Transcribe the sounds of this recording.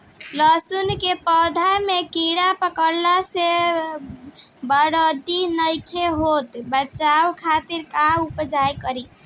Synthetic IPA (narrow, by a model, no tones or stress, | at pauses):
ləsunkepəd̪ʱajmekiɽapəkəɾlase | bəɽəd̪inəjkʰeɦot̪bət͡ʃawkʰat̪iɾkaupd͡ʒajkəɾi